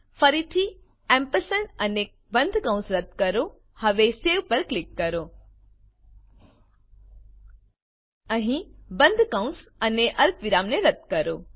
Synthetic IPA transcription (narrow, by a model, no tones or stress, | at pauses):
fʰəɾit̪ʰi | ɛ̃mpəɾsənəne | bə̃nd̪ʱkãʊ̃sɾət̪kəɾo | hɐʋeseʋpəɾklɪkːəɾo | ə̃ɦĩbə̃nd̪ʱkãũsəneʔəɾkʋɪɾaːmneɾət̪̚kəɾo